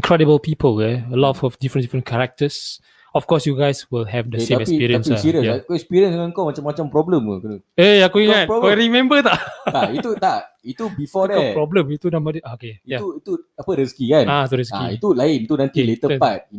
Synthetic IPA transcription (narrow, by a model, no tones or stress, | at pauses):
ĩŋkʰɹɛdəbəlpipəlɛəlɔtɔfdifɾə̃ndifɹə̃nkʰɛɹak̚təs | ɔfkɔsjuɡajswilɦɛvdəsẽamɛkpiɾiãnsasiɾiəsjakɛkspiɾiə̃nsəŋãnkomat͡ʃãmːat͡ʃãmpɾɔbləmukunuejakuiŋat̚ɔɾimɛ̃mbət̪aʔt̪ait̪ut̪a | it̪ubifɔdɛpɹɔblə̃mit̪unãmbədiaokeijauit̪uapəɾiskikanat̪uɾisakiḭt̪ulaɪnit̪unãnt̪ilet̪əpat̪̚i